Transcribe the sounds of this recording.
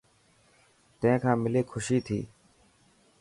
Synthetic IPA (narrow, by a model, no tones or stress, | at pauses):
t̪ə̃ẽːkʰãːmɪleːkʰʊʃiːt̪ʰḭː